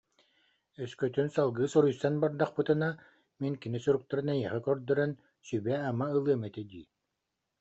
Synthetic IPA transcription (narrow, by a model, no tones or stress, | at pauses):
œskœt̪ynsalˠɡɯːsɔɾujsanbaɾd̪aχpɯt̪ɯna | miŋkinisuɾuk̚t̪aɾɯnɛjiɛχɛkœɾd̪œɾœn | sybɛamaɯlˠɯɐmɛt̪ɛd̪iː